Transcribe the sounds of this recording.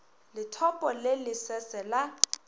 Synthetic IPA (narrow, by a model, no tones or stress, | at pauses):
lɪtʰɔpʼɔlelɪsɛsɛla